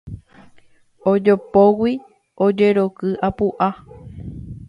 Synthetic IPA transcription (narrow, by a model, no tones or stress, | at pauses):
od͡ʒopowi | od͡ʒe̞ɾokɨʔapuʔa